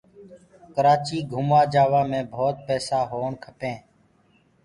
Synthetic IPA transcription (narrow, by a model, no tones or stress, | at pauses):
kəɾaːt͡ʃiːɡʱʊmʋaːd͡ʒaːʋaːmẽːbʱoːt̪̚pɛːsaːɦoːɳkʰəpẽː